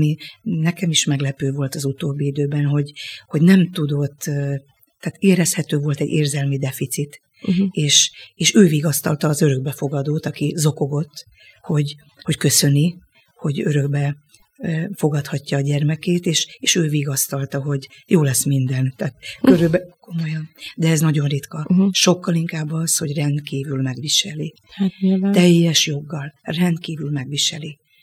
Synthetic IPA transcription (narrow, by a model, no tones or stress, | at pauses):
minɛkɛmiʃmɛɡlɛpøːvo̞lt̪ɒzut̪oːbːiid̪øːbɛnɦo̞ɟho̞ɟnɛmt̪ud̪o̞t̪ː | t̪aːt̪eːɾɛshɛt̪øːvo̞lt̪ɛɟːeːrzɛlmid̪ɛfit̪sit̪ | eːʃeːʃøːviɡɒst̪ɒlt̪ɒːzø̞ɾø̞ɡ̚bɛfo̞ɡɒd̪oːt̪ɒkizo̞ko̞ɡo̞t̪ː | ho̞ɟ | ho̞ckø̞sø̞ni | ho̞ɟø̞ɾø̞ɡ̚bɛ | fo̞ɡɒt̪hɒcːɒːɟɛrmɛkeːt̪eːʃeːʃøːviːɡɒst̪ɒlt̪ɒɦo̞ɟjoːlɛsmind̪ɛnt̪aːt̪køɾybɛko̞mo̞jɒnd̪ɛɛznɒɟo̞nrit̪kɒʃo̞kːɒliŋkaːbːɒsho̞ɟrɛnt̪kiːvylmɛɡʋiʃɛli | hat̪ɛjːɛʃjo̞ɡːɒlrɛnt̪kiːvylmɛɡʋiʃɛli